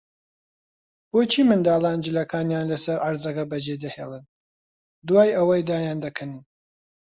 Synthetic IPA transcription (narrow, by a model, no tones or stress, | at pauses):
b̥oːt͡ʃʰiːmɨnd̪aːlˠaːnd͡ʒɨlɐkʰaːnjaːnlɐsɐɾʔaɾzɐkɐbɐd͡ʒed̪ɐheːlˠɨn | d̪uwaːjɐwɐjd̪aːjaːnd̪ɐkʰɐnn